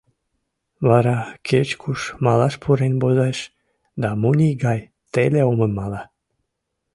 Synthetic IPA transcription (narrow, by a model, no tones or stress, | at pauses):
βɑɾɑkʰet͡ɕkʰuʃmɑlɑʃpʰuɾenʲbozeʃ | d̪ɑmunʲiɡɑj | t̪eleoməmːɑlɑ